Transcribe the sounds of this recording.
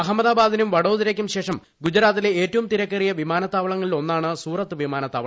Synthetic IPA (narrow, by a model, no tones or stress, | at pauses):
ɐɦɐmːɐðaːbaːd̪inumʋɐɽo̞ːðiɾɐkʲːumɕe̞ːʂɐm | ɡud͡ʑɐɾaːt̪ːileeːtːɐʋumt̪iɾɐkːɐrijɐʋimaːnɐt̪ːaːʋɐɭɐŋːɐɭilo̞nːaːɳɨsuːrɐt̪ːɨʋimaːnɐt̪ːaːʋɐɭ